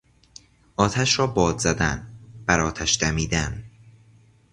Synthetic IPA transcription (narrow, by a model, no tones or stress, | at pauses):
ʔɒːt̪ʰæʃɾɒːbɒːzzæd̪ænb̥æɾɒːt̪ʰæʃd̪æmiːd̪æn